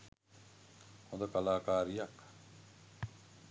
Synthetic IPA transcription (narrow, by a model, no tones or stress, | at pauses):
hod̪əkalaːkaːɾijak